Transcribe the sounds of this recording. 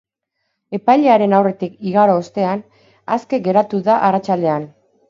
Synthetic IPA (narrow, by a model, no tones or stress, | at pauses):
e̞pajʎe̞aɾe̞nawre̞t̪ikiɣaɾoːst̪e̞an | aske̞ɡe̞ɾat̪uðaʔarat͡ʃald̪e̞an